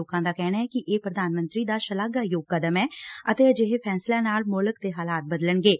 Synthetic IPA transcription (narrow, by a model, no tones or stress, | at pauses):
oːkãːd̪aːkɛːnaːɛːkɪʔeːpɾəd̪aːnmə̃nt̪ɾiːd̪aːʃəlaɡaːjoːɡ̚kəd̪əmɛːət̪eːəd͡ʒeɦeːpʰɛːslaːnaːlmoːləkt̪eːɦaːlaːt̪̚bəd̪ələɳɡeː